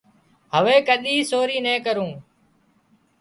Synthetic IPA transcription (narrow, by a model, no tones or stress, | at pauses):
ɦəʋeːkəɗiːsoːɾiːnɛ̃ːkəɾũː